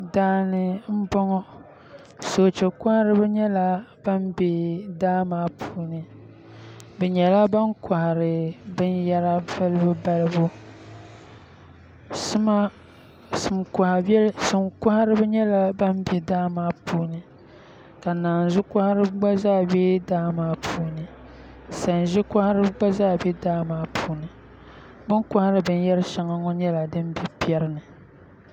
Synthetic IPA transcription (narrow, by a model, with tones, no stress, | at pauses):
daː˦nɨ˨m̩˦bɔ˦ŋɔ˦ | so˨t͡ʃɛ˨ka˦ha˦ɾɨ˦bɛ˦ɲɛ˦la˦b̥a˦mbe˨daː˦maː˦pʰuː˦˨nɨ˨ | bɛ˨ɲɛ˨la˦ba˦ŋkʰa˨ha˨ɾɨ˨bɨ˦njɛ˦ɾa˦vɨ˦lɨ˦bɨ˦ba˦lɨ˦bu˦ | sɨ˦ma˦ | sɨ˨mka˨ha˨blsɨ˨mka˦ha˦ɾɨ˦bɨ˦ɲɛ˦la˨ba˦m˦bi˨daː˦maː˦puː˦nɨ˨ | ka˨naː˨n˨zʊ˦ka˦ha˦ɾɨ˦bɡ͡ba˦zaː˦bɛ˦daː˦maː˦pʰuː˦nɨ˨ | sa˨n˨ʒɪ˦ka˦ha˦ɾɨ˦bɡ͡ba˦zaː˦˨bɛ˦daː˦maː˦pʰuː˦nɨ˨ | bɨ˦ŋka˦ha˦ɾɨ˦bɨ˦n˦jɛ˦ɾɨ˦ʃa˨ŋa˦ŋɔ˦ɲɛ˦la˨dɨ˦m˦bi˨pi˦ɛ˦ɾɨ˦nɨ˨